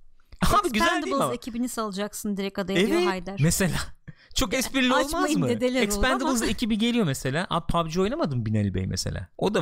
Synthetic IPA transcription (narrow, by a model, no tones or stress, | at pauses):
abiɡyzænld̪iblˠzecʰibinisalˠɯd͡ʒaksɯnd̪iɾɛkad̪ajeoajd̪æɾmese̞lʲaːt͡ʃʰo̞kɛspiɾlʲiolˠmamamɯed̪elʲiɛsˠpænd̪ɯbɯlˠzecʰibiɟe̞lʲijo̞mese̞lʲaːʔa̰pʰabʲd͡ʒio̞jnamad̪ɯmbinɛlʲbḛjmʔḛse̞̰lʲa̰ːod̪a